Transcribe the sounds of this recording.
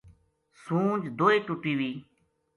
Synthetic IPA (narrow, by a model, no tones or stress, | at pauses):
sũːd͡ʒd̪oːiːʈʊʈiːʋiː